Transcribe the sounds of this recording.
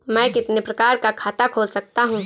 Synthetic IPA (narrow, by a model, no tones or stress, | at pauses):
mɛ̃ːkɪt̪nepɾɐkaːɾkakʰaːt̪akʰoːlsɐk̚t̪aɦũ